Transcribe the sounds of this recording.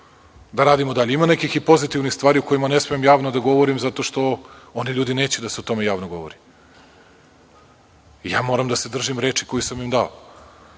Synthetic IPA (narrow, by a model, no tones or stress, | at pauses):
d̪aɾaːd̪imod̪aʎeimanekixipo̞zit̪ivnixst̪ʋaːɾioko̞jimane̞smeemjaːʋnod̪aɡo̞ʋo̞ɾimzat̪o̞ʃt̪o̞o̞niʎuːd̪ineːt͡ɕed̪aseot̪o̞mejaːʋnoɡo̞ʋo̰ɾi | ijaːmo̞ːɾamd̪ase̞d̪r̩ʒimɾe̞ːt͡ʃiko̞jisamimd̪ao